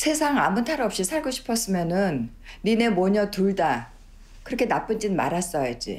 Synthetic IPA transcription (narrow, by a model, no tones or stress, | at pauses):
sʰe̞sʰaŋa̰mɯntʰaɾʌp̚ɕ͈isʰaɭɡoɕʰi̥pʰʌs͈ɯmjʌnɯnː | ine̞mwʌɲʌtuɭda | kɯɾʌkʰe̞nap͈ɯnd͡ʑinma̰ɾas͈ʌjad͡ʑḭ